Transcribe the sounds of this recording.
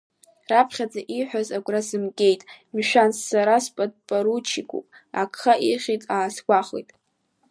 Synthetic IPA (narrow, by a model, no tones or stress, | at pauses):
rapʰχʲad͡zʼaʔiħʷᶣazaɡʷʼrazɨmkʲʼe̞jtʼmiʃᶣansːaɾaspʼad̚ʼpʼaɾut͡ʃʰikʷʰʼṵpʼ | akʰʼχaʔiχʲitʼaːsɡʷaχḛjtʼ